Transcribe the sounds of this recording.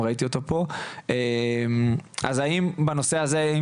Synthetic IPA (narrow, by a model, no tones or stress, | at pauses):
ʁait̪io̞t̪opo̞emʔa̰zaimbano̞se̞azei